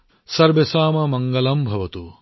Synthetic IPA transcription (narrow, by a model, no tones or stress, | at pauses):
sɐɾʋesaːmɐmɐŋɡɐlɐmbʱɐʋɐt̪u